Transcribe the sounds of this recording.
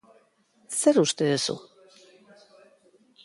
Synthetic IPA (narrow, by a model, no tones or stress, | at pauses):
seɾuʃt̪eðesṵ